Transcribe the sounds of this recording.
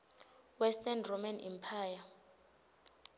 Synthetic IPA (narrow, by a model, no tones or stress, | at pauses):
wɛstʼɛnromanɛ̰mpʰaːja